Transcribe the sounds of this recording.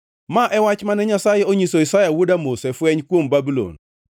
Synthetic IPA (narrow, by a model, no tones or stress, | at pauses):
maʔɛwat͡ʃmanɛɲasajeoɲisoisajawodamosɛfwɛɲkwombabulo̰n